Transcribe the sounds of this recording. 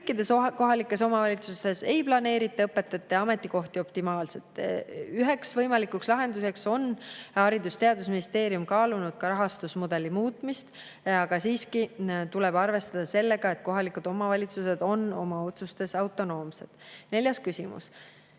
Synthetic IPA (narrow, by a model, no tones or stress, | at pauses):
kːˑid̪̥e̞sko̞ɦɑlikːˑe̞so̞mɑvɑlʲit̪sust̪e̞se̞jplɑne̞ːɾit̪ːˑɑɤpːe̞t̪ːˑɑt̪ːˑeɑme̞t̪ːˑiko̞ht̪io̞pt̪imɑːlse̞t̪ˑːyɦe̞ksvɤjmɑlikːˑukslɑɦe̞nd̪use̞kso̞nhɑɾid̪ust̪e̞ɑd̪usminist̪e̞ːɾijumkɑːlunud̪̥̚kɑɾɑɦɑst̪usmod̪̥e̞lːimuːt̪ˑmist̪ | ɑɡ̥ɑsiːskit̪ule̞b̥ɑrve̞st̪ɑd̪̥ɑse̞lːe̞ɡ̥ɑe̞t̪̚ko̞ɦɑlikud̪o̞mɑvɑlʲit̪suse̞d̪̥o̞no̞̰mɑo̞t̪sust̪e̞sɑwt̪ːˑo̞no̞ːmse̞̰t̪ˑne̞ljɑskysʲimṵs